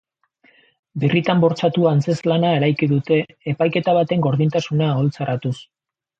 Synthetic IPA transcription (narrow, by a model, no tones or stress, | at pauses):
birit̪ambo̞ɾt͡sat̪uant͡se̞zlanae̞ɾajkiðut̪e̞ː | pajke̞t̪aβ̞at̪e̞ŋɡo̞ɾðint̪asunao̞lt͡sarat̪us